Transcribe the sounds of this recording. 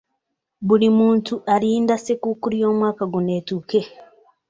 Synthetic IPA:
buɾimuːntuʔaɾiːndasekukuɾio̞ːmwaːkaɡune̞ːtuke

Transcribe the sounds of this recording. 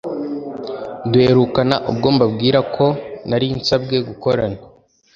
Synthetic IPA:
due̞ɾukanaʔṵbɡo̞ːmbabɡiːɾakʰo̞naɾinsab̚ɡe̞ɡuko̞ɾana

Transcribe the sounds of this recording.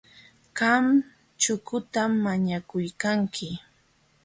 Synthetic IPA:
ɢam | t͡ʃʊkʊt̪amːaɲakʊjkaŋkʰɪ

